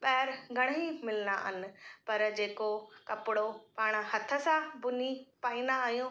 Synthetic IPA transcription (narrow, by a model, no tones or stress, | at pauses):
ɓɛɦɪɾɡʱɐɽ̃imɪlna̰ɦɪnɪ̆pɐɾd͡ʑeːkokɐpɪɽopaːɽ̃əhɐt̪ʰə̆sãbʊnipaːĩːnd̪aːɦijõː